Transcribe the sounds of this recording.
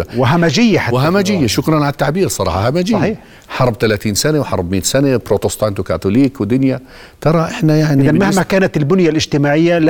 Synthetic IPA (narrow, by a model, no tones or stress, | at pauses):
wɪɦamad͡ʒɪjːaħawɪɦamad͡ʒɪjːaʃʊkɾˤɑnʕalat̪ːaʕbiːɾsˤɑɾˤɑ̰ːħɑhamad͡ʒɪjːiːħ | ħɑɾˤb̚t̪alaːt̪iːnsanawħɑɾˤbmiːt̪sanabɾoːt̪ɪst̪ˤɑːnt̪ukat̪ʊliːkwɪd̪ʊnja | t̪ɑɾˤɑʔɪħnajaʕnɪiðanmahmakaːnat̪ɪlbʊnjalʔɪd͡ʒt̪ɪmaːʕɪjːal